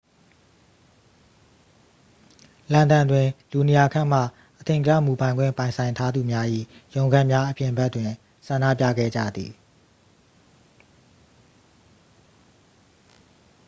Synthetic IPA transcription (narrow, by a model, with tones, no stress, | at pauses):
lã˨ndã˨ndwɪ̃˨lu˨ne˨ja˨kʰã̰˦˨m̥ä̰˦˨ | ʔət̪ʰɪ̃˨t͡ɕa̰˦˨mu˨bã˨ɪ̃ŋɡwɪ̰̃˦˨mpã˨ɪ̃nsʰã˨ɪ̃ntʰa˦d̪u˨mja˦ʔḭ˦˨jõ˨ʊ̃ŋɡã˦˨mja˦ʔəpjɪ̃˨mbɛ˦tːwɪ̃˨ | sʰã˨nä̰˦˨p̬jä̰˦˨ɡɛ̰˦˨d͡ʑä̰˦˨d̪ḭ˨